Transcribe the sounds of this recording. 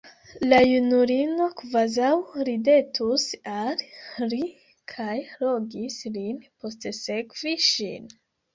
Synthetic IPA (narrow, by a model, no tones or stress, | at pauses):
lajunuɾino̞kvazawɾide̞tʰusalɾi | kʰajlo̞ɡislinpo̞stse̞kviʃḭn